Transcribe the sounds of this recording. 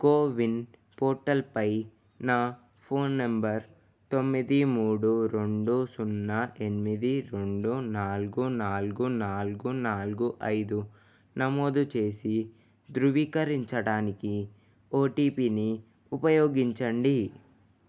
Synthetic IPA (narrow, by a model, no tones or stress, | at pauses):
koːʋin | poːɾʈɐlpɐj | naː | pʰoːnːɐmbɐɾ | t̪o̞mːid̪imuːɽuɾe̞ɳɖusunːɐʔe̞nimid̪iɾe̞ɳɖunaːluɡunaːluɡunaːluɡunaːluɡuʔɐjd̪u | nɐmo̞ːd̪ut͡ʃe̞ːsi | d̪ɾuʋiːkɐɾiɲt͡ʃɐɽaːniki | oːʈiːpiːni | upɐjoːɡiɲt͡ʃɐɳɖi